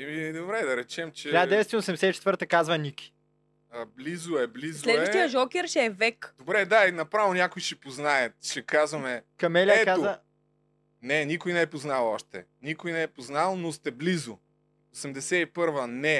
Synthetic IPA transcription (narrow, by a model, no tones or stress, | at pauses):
ɛmid̪obɾɛd̪ɐɾɛt͡ʃɛmt͡ʃɛaɛvɛst̪ɛosɛmd̪ɛsɛit͡ʃɛ̥t̪vəɾt̪əkazvənikʲi̥ | blizʊɛblizslɛd̪vəʃt̪ijəʒɔkʲɛɾʃɛvɛkd̪obɾɛd̪ainɐpɾavonʲakʊjʃɛpoznajət̪ʃɛkazvɐmɛkɐmɛlʲaɛkazovə | nɛnikʊjnɛɛpoznalˠɔʃt̪ɛ̰ | nikʊjnɛɛpoznalˠnost̪ɛblizʊ | osɛmd̪ɛsɛipɤɾvənɛ